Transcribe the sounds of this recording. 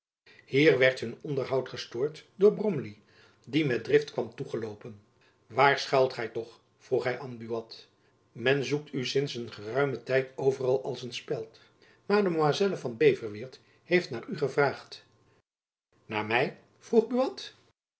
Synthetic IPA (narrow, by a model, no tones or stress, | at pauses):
hiːɹʋɛɹtɦɵnɔndəɹɦɑwtχəstʊːɹtdʊːɹbrɔmli | dimɛt̚drɪftkʋɑmtuχəlowpən | ʋaːɹsχaɑwtχɛjtɔχ | fruχɦɛjʔɑnbyɑt | mɛnzuk̚tysɪnsənχərœɥmətɛjtowvərɑlˠɑlˠsənspɛlˠt | maːɹdəmoazɛləvɑnbejvəɹʋɪːɹt | hejftnaːɹyχəvraːχt | naːɹmɛj | v̥ruχbyɑt